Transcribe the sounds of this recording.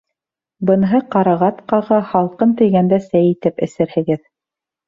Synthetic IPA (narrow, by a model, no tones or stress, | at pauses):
bɤ̆nɦɤqɑɾɑʁɑt̪qɑʁɤhɑlˠqɤnt̪ɘ̆jɡænd̪æsæjit̪ɘpɘ̆sɘ̆ɾhɘ̆ɡɘð